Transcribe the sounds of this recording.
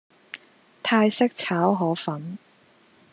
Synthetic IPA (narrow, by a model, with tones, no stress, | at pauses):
t̪ʰaː˧jsɪ˥k̚t͡sʰaː˨˥wɦɔː˨˥fɐ˨˥n